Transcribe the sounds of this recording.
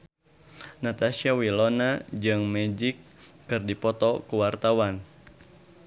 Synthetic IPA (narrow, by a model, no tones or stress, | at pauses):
nat̪asiawilɔnad͡ʒɨŋmɛd͡ʒikː | ɨrdipɔt̪ɔkuwart̪awan